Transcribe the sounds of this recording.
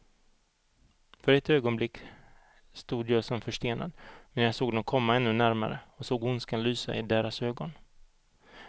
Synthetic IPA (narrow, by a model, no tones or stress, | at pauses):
fœɾɛt̪øːɡɔnblɪkː | st̪uːd̪jɑːsɔmfœʂt̪eːna̰d̪mɛnjɑsoːɡ̚d̪ɛkʰɔmːaɛnːɵnæɾma̰ɾə̰ɔsoːɡʊnskanlyːsa̰ɪd̪eːɾasøːɡɔn